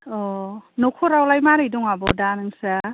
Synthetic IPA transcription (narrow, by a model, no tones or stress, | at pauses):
ɔnokʰoɾawlajmaɾɯjdɔŋabɔdanɯŋsa